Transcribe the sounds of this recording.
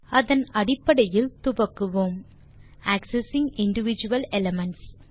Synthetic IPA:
ɐðɐnɐɽɪpːɐɽɐjɪlt̪ʊʋɐkːɯʋoːm | æːksɛsɪŋɪɳɖɪʋɪd͡ʒɯʋɐlɛlɐmɐɳʈs

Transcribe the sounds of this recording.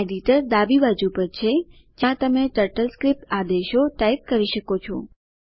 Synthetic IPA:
eɖiʈəɾd̪abiʋad͡ʒupəɾt͡ʃʰe | d͡ʒjãt̪əmeʈəɾʈəlskɾip̚ʈ̪ad̪eʃoʈajk̚kəɾiʃəkot͡ʃʰo̰

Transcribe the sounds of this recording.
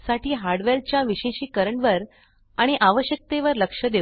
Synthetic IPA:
saʈiːɦaɾɖʋeɾt͡ɕjaʋiɕeɕiːkəɾəɳʋəɾ | aɽ̃iʔaʋəɕjək̚t̪eʋəɾləkʂəd̪e

